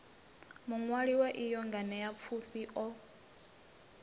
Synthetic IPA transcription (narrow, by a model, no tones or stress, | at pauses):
muŋwaɺiwɛʔijɔŋɡanɛjap̪fʰuɸiʔɔ